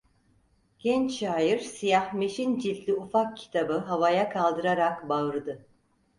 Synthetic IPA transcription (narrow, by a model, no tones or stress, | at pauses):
ɟ̥ɛnt͡ʃʃaːjiɾsijahme̞ʃind͡ʒit̪lʲiufak̚cʰi̥t̪ʰabɯɦavajakʰalˠd̪ɯɾaɾakbaɯɾɯd̪ɯ